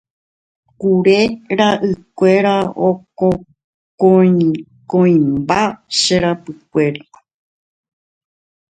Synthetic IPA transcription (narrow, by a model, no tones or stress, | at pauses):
kuɾe̞ɾaʔɨkʷe̞ɾaoko | kõĩ | kõĩmbaʃeɾapɨkʷe̞ɾa